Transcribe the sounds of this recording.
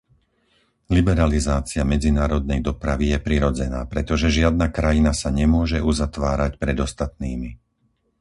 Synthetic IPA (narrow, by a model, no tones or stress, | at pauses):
libɛɾalizaːt͡siamɛd͡zinaːɾɔd̪̚nɛjd̪ɔpɾaʋijɛpɾiɾɔd͡zɛna̰ːpɾɛt̪ɔʒɛʒɪad̪̚nakɾajinasaɲɛmʊɔʒɛʔuzat̪ʋaːɾacpɾɛd̪ɔst̪at̪̚niːmi